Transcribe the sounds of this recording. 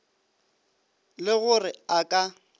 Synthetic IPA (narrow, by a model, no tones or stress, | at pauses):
lɪɣʊrɪakʼa